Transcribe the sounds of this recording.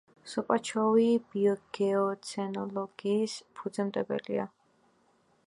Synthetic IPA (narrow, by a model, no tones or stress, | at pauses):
sɔpʼat͡ʃʰɔwib̥iɔɡ̥ɛɔt̪sʰɛnɔlɔɡ̥iːspʰud̪zɛmt̪ʼɛbɛ̰lḭa̰